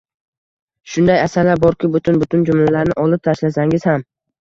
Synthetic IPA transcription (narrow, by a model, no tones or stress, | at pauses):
ʃʊnd̪ajasaɾlaɾbɒɾkʲʰɪbʊt̪ʰʊnbʊt̪ʰʊnd͡ʒʊmlalaɾnɪʔɒlˠɪp̚t̪ʰaʃlasaŋɪz̥ham